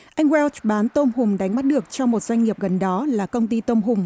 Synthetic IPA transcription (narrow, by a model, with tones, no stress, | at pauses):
ʔa˧jŋ̟wɛ˧lt͡ɕɓaː˨˦nt̪o˧mhʊ˨˩ŋ͡mɗa˨˦jŋ̟ma˦˥t̚ɗɨ˨˩ək̚t͡ɕɔ˧ŋ͡mmo˨˩t̚zwa˧jŋ̟ŋi˨˩əp̚ɣə˨˩nɗɔ˨˦laː˨˩kə˧wŋ͡mt̪i˧t̪o˧mɦʊ˨˩ŋ͡m